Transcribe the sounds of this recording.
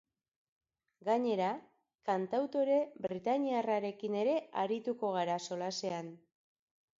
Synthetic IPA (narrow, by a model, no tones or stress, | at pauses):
ɡaɲe̞ɾa | kant̪awt̪o̞ɾe̞bɾit̪aɲiaraɾe̞kine̞ɾe̞aɾit̪uko̞ɣ̞aɾaso̞lase̞an